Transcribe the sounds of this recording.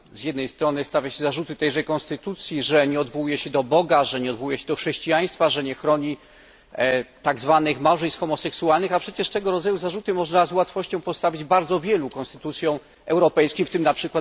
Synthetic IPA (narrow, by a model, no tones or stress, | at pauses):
zjɛd̪nɛjst̪ɾɔnɘst̪avʲjaɕɛzaʐut̪ɘt̪ɛjʐɛjkɔ̃nst̪ɘt̪ut̪sʲjiʐɛɲɛɔd̪vɔwujɛɕɛd̪ɔbɔɡaʐɛɲɛɔd̪vɔwujɛɕɛd̪ɔxʂɛɕt͡ɕijaj̃st̪faʐɛɲɛxɾɔɲi | t̪aɡzvanɘxmawʐɛjst̪xɔmɔsɛksualnɘxapʂɛt͡ɕɛʂt̪ɛɡɔɾɔd̪zajuzaʐut̪ɘmɔʐnazwat̪fɔɕt͡ɕɔ̃w̃pɔst̪avʲid͡ʑbaɾd̪zɔvʲjɛlukɔnst̪ɘt̪ut̪sʲjɔ̃w̃ | ɛwɾɔpɛjskʲimft̪ɘmnapʂɘkwat̪